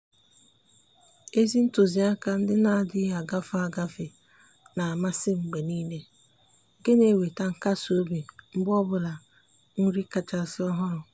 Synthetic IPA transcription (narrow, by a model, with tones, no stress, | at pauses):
e˦zi˦n̩˦to˨zi˨a˦ka˦n̩˦dɪ˦na˨a˨dɪ˦a˨ɡa˦fa˦a˨ɡa˦fe˨ | na˨a˨ma˦sɪ˦ŋ͡m̩˨ɡ͡be˨niː˦le˦ | ɡe˦ne˨we˨ta˦ŋ̩˨ka˦so˦be˨ŋ͡m̩˦bɔ˦bʊ˨la˨ | ŋ̩˦ɾi˦ka˨t͡ʃa˨sɪ˦ɔ˦ɦɔ˦ɾʊ˨